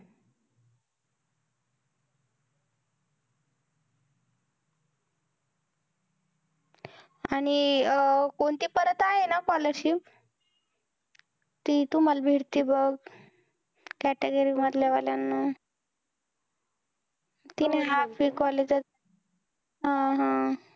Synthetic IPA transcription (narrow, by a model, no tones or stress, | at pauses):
aɽ̃i | koɳt̪iːpəɾət̪aɦenakɔləɾɕip | t̪it̪um̤albʱeɽt̪iːbəɡ | kæʈeɡəɾimət̪leʋaljanːa | t̪ineɦafikɔled͡za | ɦãɦã